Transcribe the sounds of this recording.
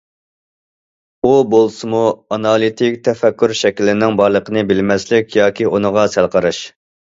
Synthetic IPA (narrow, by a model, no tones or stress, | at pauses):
ubolˠsɨmuɑnɑlˠit̪ʰɪkʲt̪ʰɛfɛkʲːyɾʃɛkʲilːɪnɪŋbɑɾlˠəqʰənɨbɪlmɛslɪkʲjɑːkʲiʔonəʁɑsælˠqʰəɾɨʃ